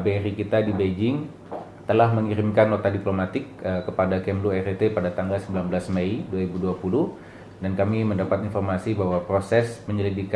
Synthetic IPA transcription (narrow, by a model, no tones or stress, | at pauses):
beɛɾikit̪adibed͡ʒɪŋ | t̪əlahməŋiɾimkanlot̪adiplomat̪ɪkəkəpadakɛmluɛret̪epadat̪aŋɡalsəmbilanbəlasmeiduaɾibuduapuluh | dankamiməndapat̪infɔrmasibaɦwapɾosɛsməɲəlidik